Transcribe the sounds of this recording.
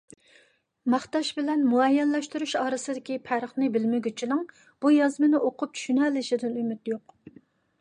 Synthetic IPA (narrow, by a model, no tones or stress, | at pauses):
mɑχt̪ɑʃbɪlɛnmuɛjːɛnlɛʃt̪uɾuʃɑːɾɨsɨd̪ɪkʲipʰæɾəχnɨbɪlmɪɡʲyt͡ʃʰilɨŋ | b̥ujɑzmɨnɪʔoqʰʊp̚t͡ʃʰy̥ʃynɛlɪʃɪd̪ɪnymyt̪joq